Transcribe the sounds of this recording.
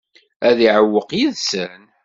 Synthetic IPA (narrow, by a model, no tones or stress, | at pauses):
æðiʕəwːəqjiðsən